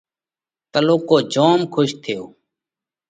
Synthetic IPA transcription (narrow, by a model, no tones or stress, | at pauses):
t̪əloːkoːd͡ʒoːmkʰʊʃt̪ʰɪjo̰ː